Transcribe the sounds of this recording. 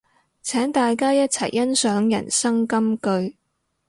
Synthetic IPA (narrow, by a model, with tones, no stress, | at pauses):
t͡sʰɛː˨˥ŋt̪aː˨jkaː˥jɐ˥t̚t͡sʰɐ˨˩jːɐ˥nsœː˨˥ŋjɐ̰˨˩nsɐ˥ŋkɐ˥mkɵ˧ɥ